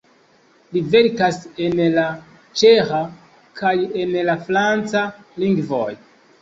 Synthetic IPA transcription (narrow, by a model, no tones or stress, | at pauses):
live̞ɾkasenla | t͡ʃexa | kʰajenlafɾant͡saliŋɡvo̰j